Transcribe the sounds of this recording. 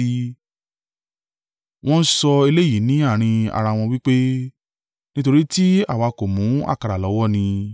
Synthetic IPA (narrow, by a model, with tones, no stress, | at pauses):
w̃ɔ̃˦n̩˦sɔ˧i˧le˦˨ji˨˦nĩ˨˦a˦˨ɾ̃ĩ˧a̰˧ɾa˧w̃ɔ̃˧wi˦k͡pe˦ | nĩ˦to˧ɾi˦ti˦a˦˨wa˨˧ko˨mũ˨˦a̰˦˨ka˨˧ɾa˨lɔ˨˦wɔ˦˨nĩ˧